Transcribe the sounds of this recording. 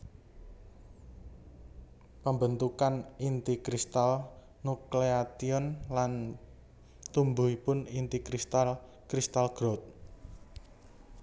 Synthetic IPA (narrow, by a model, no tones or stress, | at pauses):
pəmbənt̪ukanint̪ikɾist̪al | nukleat̪iɔnlan | t̪umbuipʊnint̪ikɾist̪al | kɾist̪alɡ̥ɾɔt̪̚